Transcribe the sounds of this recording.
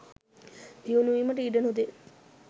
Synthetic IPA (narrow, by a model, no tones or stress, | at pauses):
hiunuʋiməʈəiɖənud̪e